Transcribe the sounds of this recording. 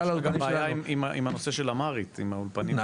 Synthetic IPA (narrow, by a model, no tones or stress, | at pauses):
aɡambːjaimimaʔḭmano̞se̞ʃelamaʁit̪imaulpani